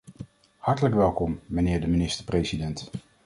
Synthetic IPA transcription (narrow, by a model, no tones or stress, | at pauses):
hɑɹtələkʋɛlˠkɔmːənɪːɹdəminɪstəɹprejsidɛnt